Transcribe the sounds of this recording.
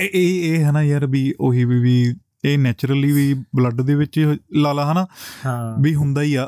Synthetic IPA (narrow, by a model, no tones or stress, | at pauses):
eeːɦɛːnãːjaːɾbiːʔoɦiːʋiː | eːnɛːt͡ʃɾəliːʋiːbləɖd̪eːʋɪt͡ʃlaːlaːɦɛ̃ːnaː | biːɦʊnd̪aːiːaː